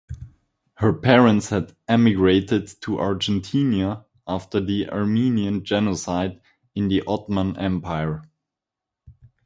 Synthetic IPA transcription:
hə˞pʰɛɹə̃ntshædɛmɪɡɹeɪtɪdtʰuʔaɹd͡ʒɛ̃ntʰĩnja | aftə˞ðiʔa̰ɹmĩniɨ̃nd͡ʒɛnosaɪd | ɪ̃nðiʔɔtmə̃nɛ̰̃mpʰaɪə˞

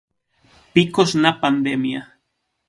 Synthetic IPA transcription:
pikosnapand̪emja

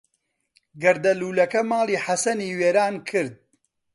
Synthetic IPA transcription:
ɡɐɾd̪ɐluːlɐkɐmaːlˠiːħɐsɐniːweːɾaːnkʰɨɾd̪̚

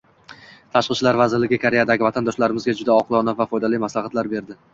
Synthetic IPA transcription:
t̪ʰaʃqɨʃlaɾvazɪɾlɪɡʲɪkʰaɾe̞jad̪aɡʲɪvat̪ʰand̪ɒʃlaɾɪmɪzɡʲad͡ʒʊd̪aɒqlˠɒnavafɒjd̪alijmaslaχat̪laɾbe̞ɾd̪ɪ

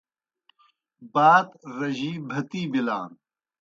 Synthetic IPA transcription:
baːd̪ɾɐʑiːbʱɐt̪iːbilaːn

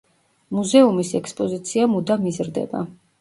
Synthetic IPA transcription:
muzɛumisɛkspʼɔzit̪sʰiamud̪amizɾd̪ɛ̰ba̰

